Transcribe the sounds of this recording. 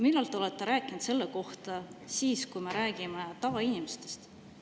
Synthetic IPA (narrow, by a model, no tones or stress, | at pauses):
milːɑlt̪ːˑeo̞let̪ːe̞ɾæːkːˑinud̪̥se̞lːeko̞ht̪ɑsiːskujmeɾæːɡ̥imet̪ɑvɑinimest̪e̞̥st̪